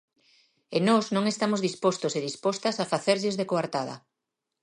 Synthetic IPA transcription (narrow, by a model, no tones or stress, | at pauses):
enɔznõŋest̪amozðispost̪oseðispɔst̪asafaθeɾʎezðekoaɾt̪aðɐ̰